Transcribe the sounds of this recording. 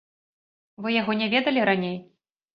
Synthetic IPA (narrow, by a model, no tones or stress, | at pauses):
vɨjaɣɔnʲɛvʲɛd̪ɐlʲiɾanʲej